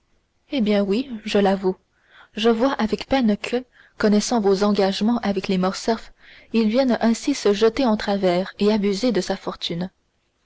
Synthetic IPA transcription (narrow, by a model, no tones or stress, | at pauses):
ebjɛ̃wiʒəlavu | ʒəvwaʔavɛkpɛnkʰə | kɔnɛsɑ̃vozɑ̃ɡaʒmɑ̃ʔavɛklemɔʁsɛfilvjɛnɛ̃sisəʒət̪eɑ̃t̪χavɛːʁeabyzed̪əsafɔʁt̪ʰyn